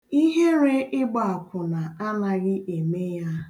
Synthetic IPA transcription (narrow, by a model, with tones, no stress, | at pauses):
i˦ɦe˦ɾe˦ʔɪ˦ɡ͡ba˨a˨kʷʊ˨na˨a˦na˨ɣɪ˦ʔe˨me˦ja˦